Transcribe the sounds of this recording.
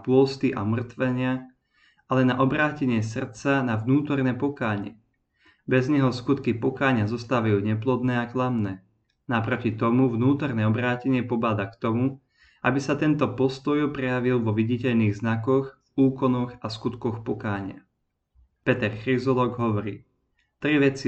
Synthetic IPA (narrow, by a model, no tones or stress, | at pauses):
pʊɔlst̪iʔa̰mr̩t̪ʋɛɲɪa | ʔalɛnaʔɔbɾaːcɛɲɪɛs̬r̩t̪t͡sanavnuːt̪ɔrnɛːpɔkaːɲɪɛ̰ | bɛzɲɛɦɔskut̪kipɔkaːɲɪazɔst̪aːʋajuːɲɛplɔd̪nɛːaklamnɛː | napɾɔcit̪ɔmuvnuːt̪ɔrnɛːɔbɾaːcɛɲɪɛpɔbaːd̪akt̪ɔmu | ʔabisat̪ɛnt̪ɔpɔst̪ɔjpɾɛjaʋilˠʋɔʋiɟicɛʎniːɣznakɔɣvuːkɔnɔɣaskut̪kɔxpɔkaːɲɪa̰ | pɛt̪ɛrxɾizɔlɔːɡɦɔʋɔɾḭː | t̪ɾiʋɛt͡si